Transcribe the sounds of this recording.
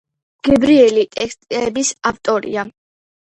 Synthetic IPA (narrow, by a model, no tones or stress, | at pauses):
ɡ̥ɛbɾiɛlit̪ʼɛkst̪ʼɛbisaft̪ʼɔɾḭa